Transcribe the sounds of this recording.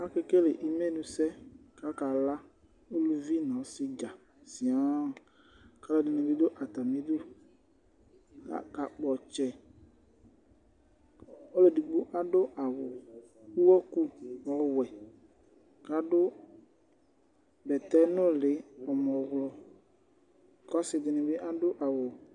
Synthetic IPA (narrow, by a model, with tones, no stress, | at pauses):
a˦ke˦ke˦le˨ʔi˨me˦nũ˨sɛ˦ka˦ka˨la˦ | o˦lu˨vi˦nã˨˦sɪ˦d͡ʒa˨ | si˨ã˦˨ | ka˦la˦˨di˨nũ˨vi˦d̪o˦ʔa˨t̪a˨mẽ˨˦d̪o˦ | la̰˦ka˨k͡pɔ˨t͡ʃɛ˨ | o˦le˨di˨ɡ͡bu˦ʔa˦dʊ˦ʔa˨wʊ˨ | u˦wɔ˦ku˦ɔ˦wɛ˨ | ka˦dʊ˦ | bɛ˨t̪ɛ˦nʊ̃˦lɪ˨˦ɔ˨mɔ˨ɣlɔ˨ | kɔ˦sɪ˨dɪ˨nɪ̃˨bɪ˦ʔa˦dʊ˦ʔa˨wʊ˨